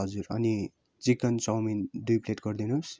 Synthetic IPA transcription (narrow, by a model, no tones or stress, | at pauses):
ʌd͡zuɾʌ̰ni | t͡sikʌnt͡sʌwmind̪ujpʰleʈɡʌrd̪inus